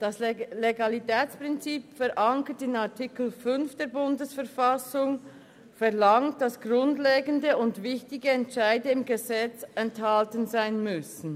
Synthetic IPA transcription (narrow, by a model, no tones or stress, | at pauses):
d̥ɑslleɡalitɛːt͡spʁ̥ɪnt͡siːpfɛɾʔaŋkətɪnaʁtʰikl̩fʏnfd̥eːɐɾbʊndəsfɛɐʁfasʊŋ | fɛʁlaŋt̚d̥asɡ̥ʁʊndleːɡəndəʊndvɪçtɪɡəɛntʃaɪdəɪmɡəzɛt͡sɛnthaltənzaɪnmʏsn̩